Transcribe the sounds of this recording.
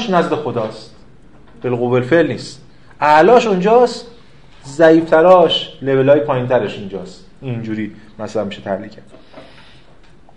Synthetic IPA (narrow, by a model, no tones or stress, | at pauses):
ʃnæzd̪e̞xo̞d̪ɒːst̪ | b̥elɣobelfelniːst̪ | ʔæʔlɒːʃund͡ʒɒːst̪ | zæiːft̪ʰæɾɒːʃle̞ve̞lɒːjepʰɒːjint̪ʰæɾeʃind͡ʒɒːst̪ | ind͡ʒuːɾiː | mæsælænmiʃet̪ʰæhliːcʰæt̪